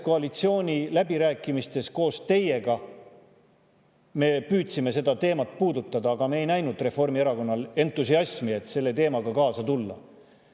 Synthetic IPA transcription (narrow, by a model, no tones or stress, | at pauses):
ko̞ɑlit̪sio̞ːnʲilæbiɾæːkːˑimist̪e̞sko̞ːst̪e̞je̞ɡ̥ɑ | me̞ːpyːt̪sime̞se̞d̪ɑt̪e̞ːmɑt̪̚ːˑpuːd̪ut̪ːˑɑd̪ɑːɡ̥ɑme̞ːjnæjnud̪re̞fo̞rmieɾɑko̞nːɑle̞nt̪ːˑusiɑsmie̞t̪ːse̞lːe̞t̪e̞ːmɑɡ̥ɑkɑːsɑt̪ulːɑ̰